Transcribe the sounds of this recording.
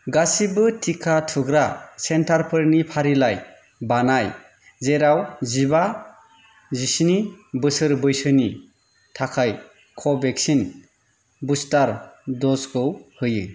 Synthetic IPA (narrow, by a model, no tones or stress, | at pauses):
ɡasibɯtʰikʰatʰɯɡɾasentʰaɾpʰɯɾnipʰaɾilaj | banaj | zeɾawziba | zisinibɯsɯɾbɯjsɯni | tʰakʰaj | kʰɔbeksin | bustaɾdɔsɡɯwhɯjɯ̰